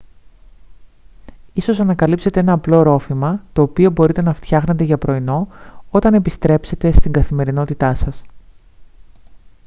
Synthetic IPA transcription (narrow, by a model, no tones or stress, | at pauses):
iso̞sɐnɐkɐlipse̞t̪e̞e̞nɐːplo̞ɾo̞fimɐt̪o̞ːpio̞bo̞ɾit̪e̞nɐft̪çɐxne̞t̪e̞ʝɐpɾo̞ino̞o̞t̪ɐne̞pist̪ɾe̞pse̞t̪e̞st̪iŋɡɐθime̞ɾino̞t̪it̪ɐsɐs